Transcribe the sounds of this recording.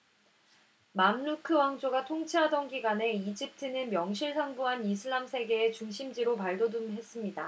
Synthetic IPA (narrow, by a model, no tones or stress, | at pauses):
mamːukʰɯwaŋd͡ʑoɡatʰoŋt͡ɕʰiɦadʌnɡiɡwane̞id͡ʑip̚tʰɯnɯnmjʌŋɕʰiɭsʰaŋbuɦanisʰɯɭːamsʰe̞ɡe̞ːt͡ɕuŋɕʰimd͡ʑiɾopaɭdodumɦe̞s͈ɯmɲida